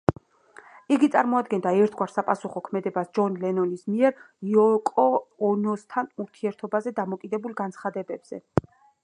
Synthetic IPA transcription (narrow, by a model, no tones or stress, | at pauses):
iɡit̪sʼaɾmɔad̪ɡɛnd̪aɛɾt̪ʰɡwaɾsapʼasuχɔkʰmɛd̪ɛbasd͡ʒɔnlɛnɔnismiɛɾ | jɔkʼɔːnɔst̪ʰanuɾt̪ʰiɛɾt̪ʰɔbazɛd̪amɔkʼid̪ɛbulˠɡansχad̪ɛbɛbz̥ɛ̰